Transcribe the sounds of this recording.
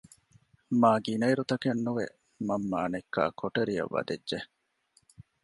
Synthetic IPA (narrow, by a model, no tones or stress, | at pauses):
maːɡinɐjɾut̪ɐkenːuʋḛ | mɐmːaːnekːa̰ːkʰoʈeɾijɐ̰ʋːɐ̰d̪edːe